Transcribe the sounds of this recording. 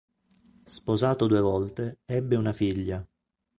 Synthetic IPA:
spozaːt̪od̪uevɔlt̪eɛbːeunafiʎːa

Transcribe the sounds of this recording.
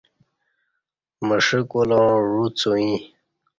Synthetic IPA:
məʂikolõɻut͡soĩ

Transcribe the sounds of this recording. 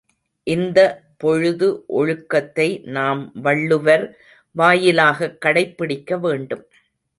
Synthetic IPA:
ʔɪnd̪ɐ | pɔɻʊðɯʔɔɻɯkːɐt̪ːɐɪnaːmʋɐɭːɯʋɐɾ | ʋaːjɪlaːɣɐkːɐɽɐɪpːɪɽɪkːɐʋeːɳɖɯm

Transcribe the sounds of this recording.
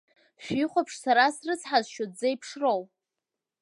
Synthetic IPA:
ʃᶣiχʷapʰʂsaɾasrɨt͡sʰħazʃod͡zejpʰʂrow

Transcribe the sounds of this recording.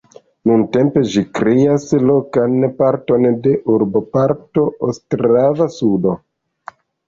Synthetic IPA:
nunte̞mpe̞ʒikɾeaslo̞kanpaɾto̞nde̞ʔuɾbo̞paɾto̞ʔostɾavasudo̞

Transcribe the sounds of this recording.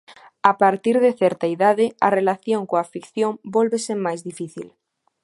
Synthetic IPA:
apaɾt̪iɾðeθɛɾt̪aiðaðɪarelaθjoŋkoafikθjombolβesemajzðifiθḭl

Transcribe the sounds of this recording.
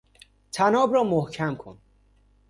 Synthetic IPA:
t̪ʰænɒːbɾɒːmohcʰæmkʰo̰n

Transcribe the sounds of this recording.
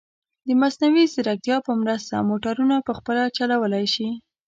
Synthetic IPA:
d̪əmasnawisɪɾak̚t̪jɑpəmɾəst̪amoʈaɾunapəxpəlat͡ʃalawəlajʃi

